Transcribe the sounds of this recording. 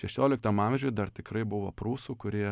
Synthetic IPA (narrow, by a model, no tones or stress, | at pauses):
ʃʲɛʃʲoːlʲɪk̚t̪ɐmɑːmʲʒʲʊjd̪ɐrt̪ʲɪkɾɐɪbʊʋoːpɾuːsuːkʊɾʲiɛ